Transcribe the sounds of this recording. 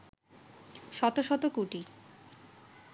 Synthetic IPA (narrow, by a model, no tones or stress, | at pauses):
ʃɔt̪oʃɔt̪okuʈi